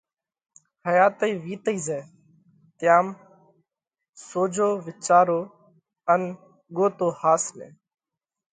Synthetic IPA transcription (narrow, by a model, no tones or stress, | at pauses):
həjaːt̪əiːʋiːt̪əiːzɛː | t̪ɪjaːm | soːd͡ʒʱoːʋɪt͡ʃaːɾoː | ən | ɠoːt̪oːhaːsmḛ̃ː